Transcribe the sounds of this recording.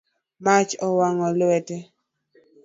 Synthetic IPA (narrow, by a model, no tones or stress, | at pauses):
mat͡ʃɔwaŋɔlwɛtɛ